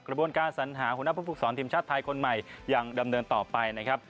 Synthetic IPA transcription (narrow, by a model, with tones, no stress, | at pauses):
kɾa˧bu˧ənkaː˧nsa˩˦nɦaː˩˦ɦu˩˦na˥pʰuː˥˩pʰu˨˩sɔː˩˦nt̪ʰiː˧mt͡ɕa˥˩t̪ʰːaː˧jkʰo˧nma˨˩jja˨˩ŋda˧mnɤː˧nt̪ɔː˨˩pa˧jna˦˥kʰɾa˦˥p̚